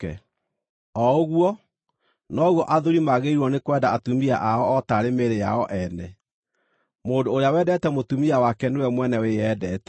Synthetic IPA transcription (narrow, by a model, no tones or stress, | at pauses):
ɛ | ɔoɣwɔ | nɔɣwɔʔaðoɾimaɣeiɾwɔnekwɛdaatumia̰ʔaɔɔtaɾemeɾeja̰ɔʔɛnɛ | moːdoːɾeawɛːdɛtɛmotumiawakɛnewɛmwɛnɛweɛːdɛtɛ